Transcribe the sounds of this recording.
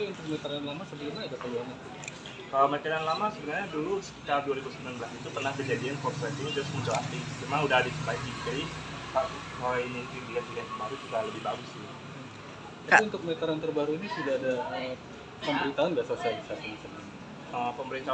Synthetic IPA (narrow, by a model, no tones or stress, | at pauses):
piunt̪ʊk̚mɛt̪əɾanlamasəbənurɲaːdakəluaɲa | əːmakaɾanlamasəbənarɲadulusəkaduaɾibusəmbilanbəlasit̪upərnahkərd͡ʒadiankɔrsat̪iid͡ʒɾʊsmuɲt͡ʃaat̪ɪmɛmanudahdit͡ʃukaikibkaikaʔkainikibiat̪iɡankəmaɾut͡ʃukaləbɪhbaɡʊsɪj̩ | atiunt̪ʊk̚mɛt̪əɾant̪ərbaɾuinisudaːdaə | pəmbəɾint̪aɦanbiasosialisasidisəna | əpəmbəɾint̪a